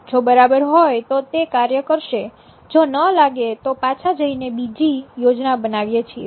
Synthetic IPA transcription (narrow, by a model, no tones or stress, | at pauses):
d͡ʒobəɾabəɾɦojt̪ot̪ekaɾjəkəɾʃe | d͡ʒonəlaɡet̪opat͡ʃʰad͡ʒəinebid͡ʒijod͡ʒnabənaʋjet͡ʃʰie